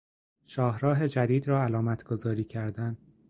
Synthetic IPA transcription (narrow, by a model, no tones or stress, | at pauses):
ʃɒːɦɾɒːɦe̞d͡ʒæd̪iːd̪ɾɒːælɒːmæt̪ʰɡ̥ozɒːɾiːcʰæɾd̪æn